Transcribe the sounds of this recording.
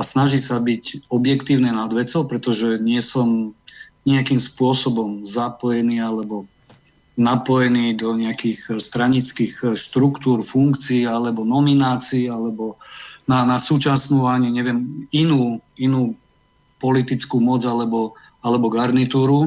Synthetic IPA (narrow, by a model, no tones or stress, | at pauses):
asnaʒiːsabicɔbjɛkt̪iːʊnɛnad̪ʋɛt͡sɔʊpɾɛt̪ɔʒɛɲɪɛsɔmɲɛakiːmspʊɔsɔbɔmzapɔjɛniːalɛbɔ | napɔjɛniːd̪ɔɲɛakiɣst̪ɾaɲit͡skixʃt̪ɾukt̪uːɾfuŋkt͡siːalɛbɔnɔminaːt͡siːalɛbɔnanasuːt͡ʃasnuːaɲiɲɛʋɪɛminuːinuː | pɔlit̪it͡skumɔd͡zalɛbɔ | alɛbɔɡaɾnit̪uːɾu